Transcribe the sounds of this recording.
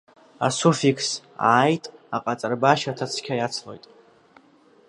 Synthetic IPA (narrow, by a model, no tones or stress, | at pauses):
a̰sufikʰs | a̰ːjtʼaqʼat͡sʼarbaʃatʰat͡sʰkʲʰajat͡sʰlo̞jtʼ